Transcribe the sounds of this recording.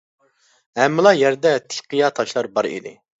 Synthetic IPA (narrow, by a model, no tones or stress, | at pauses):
ɦɛmːɨlˠɑjɛɾd̪ɛt̪ʰɪ̥qʰijɑt̪ʰɑʃlˠɑɾbɑɾḭd̪ɪ̰